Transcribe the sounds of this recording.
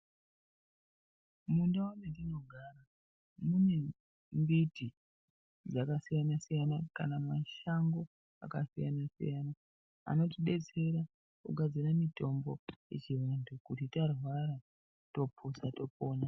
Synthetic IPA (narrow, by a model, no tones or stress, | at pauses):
mundaonendino̞ɡʱaːɾa | mune̞ | mbiti | d͡zakasijanasijanakanamaʃaŋɡo̞ | a̰kasija̰nasḭjana | a̰no̞tiɓe̞t͡se̞ɾa | kuɡʱad͡ziramito̞mbo̞je̞̰t͡ʃiʋandukutitarwaɾa | to̞pʰusato̞po̞ːna